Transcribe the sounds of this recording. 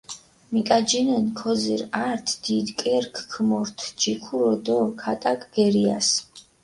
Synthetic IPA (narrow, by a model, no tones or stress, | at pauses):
mikʼad͡ʒinɛnkʰɔziɾaɾt̪ʰd̪̥id̪kʼɛɾkʰkʰmɔɾt̪ʰd͡ʒikʰuɾɔd̪ɔkʰat̪ʼakʼɡ̥ɛɾia̰s